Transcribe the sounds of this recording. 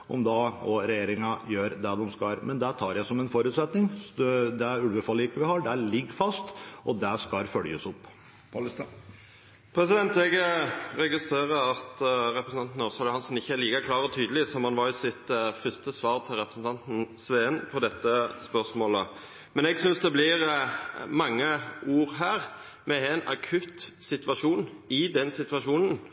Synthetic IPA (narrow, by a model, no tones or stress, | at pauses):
ʔɔ̰md̪ɑːɔɾɛjeːɾɪŋɑjøːɾd̪æd̪ɛmskɑɾmɛnd̪æt̪ʰɑːɾjæɪsɔmɛnfɔɾʉːt̪sɛt̪nɪŋd̪ɛɾʉlʋəfɑlɪɪkːəʋɪhɑɖææɾɭɪɡəɾfɑst̪ʔɔd̪æʂkɑɾfœljəsɔp̪ː | pʰɾɛsɪd̪ɛnt̪ɛɡɾɛɡɪst̪ɾeːɾəɑt̪ɾɛpɾəsn̩ɑnt̪n̩ɔsɑlʊhɑnsn̩ɪçːəæɾliːkɑkʰlɑːɾɔt̪ʰyːd̪əlɪsɔmɑnʋɑɾɪsɪt̪fʏst̪əsʋɑːɾt̪ʰɪlɾɛpɾəsn̩t̪ʰɑnt̪n̩sʋeːɛnpʰɔd̪ɛt̪ːəspœsmoːlə̰ | mɛnɛɡsʏnsd̪ɛblɪɾ | mɑŋːəuːɾɦæːɾ | mɛɛnɑ̰kʰʉt̪sɪt̪ʋɑʂuːnɪd̪ɛnsɪt̪ʋɑʂuːnən